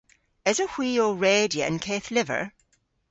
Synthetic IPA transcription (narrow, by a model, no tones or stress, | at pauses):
ɪzəhw̥iːəɹeːdiəə̰̃nkʰeːθlɪvə̰